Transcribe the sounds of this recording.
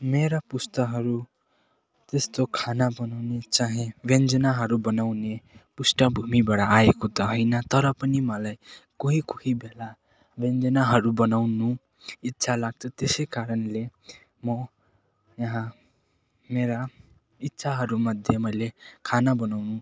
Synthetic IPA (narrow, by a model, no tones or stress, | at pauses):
meɾapust̪ʌɦʌɾu | t̪est̪okʰanabʌnawnet͡saɦĩbend͡zʌnaɦʌɾubʌnawnepusʈʌbʱumibaɽaːekot̪ʌɦʌjnʌt̪ʌɾʌpʌnimʌlajkoɦikuhibela | bend͡zʌnaɦʌɾubʌnawnu | it̪ːsʰalaɡ̚t͡sʰʌt̪esʌjkaɾʌnle | mʌ | jʌɦã | meɾa | it̪ːsʰaɦʌɾumʌd̪ʱjemʌjlekʰanabʌnawnũ